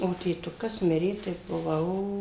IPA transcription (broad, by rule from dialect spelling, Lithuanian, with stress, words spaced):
oː tʲeːˈtʊkɐs ˈmʲɪrʲeː tɐɪ bʊˈʋɐʊ